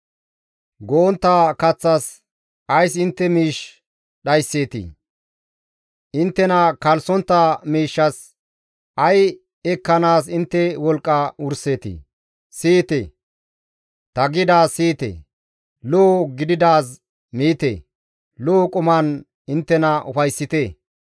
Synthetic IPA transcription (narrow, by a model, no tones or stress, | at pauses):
ɡoːnt̪ːɐkɐt͡sːɐs | ɐjsɪnt̪ːɛmiːʃ | ɗɐjsːeːt̪ḭ | ʔɪnt̪ːɛnɐkɐlsɔnt̪ːɐmiːʃːɐs | ʔɐj | ɛkːɐnaːsɪnt̪ːɛwɔlkʼːɐʊɾseːt̪ḭ | siːt̪ḛ | t̪ɐɡɪd̪aːsiːt̪ḛ | loːɡɪd̪ɪd̪aːs | miːt̪ḛ | loːkʼʊmɐn | ɪnt̪ːɛnɐʊfɐjsːɪt̪e